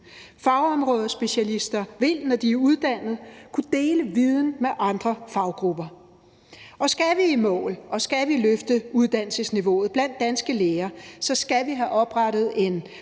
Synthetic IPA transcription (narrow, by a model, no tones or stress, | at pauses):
fɑ̈ʊɒ̽mʁɔːð̞ˠɐsb̥e̝ɕælisd̥ɐʋe̝l̰nɒd̥iæuð̞ˠd̥æn̰ð̞̩ˠkʰud̥e̝ːləʋið̞ˠn̩meʔɑ̈nd̥ʁɐfɑ̈ʊɡ̥ʁub̥ɐ | ʔɒ̽sɡ̥æʋiimɔ̰̽ːlʔɒ̽sɡ̥æʋiløfd̥əuðˠd̥æn̰l̩səŋsniʋo̝̰ːð̞̩ˠb̥læn̰d̥ːænsɡ̥əleːɐsɒ̽sɡ̥æʋiɦæʔɒ̽b̥ʁɑɾ̥ð̞̩ˠe̝n